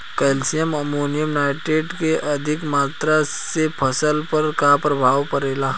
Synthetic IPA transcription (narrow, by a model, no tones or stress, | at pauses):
kɛːlsijəməmoːnijəmnaːɪʈeːɖkeʔɐd̪ʱɪkmaːt̪ɾasepʰɐsəlpɐɾkapɾɐbʱaːʋpəɾeːlaː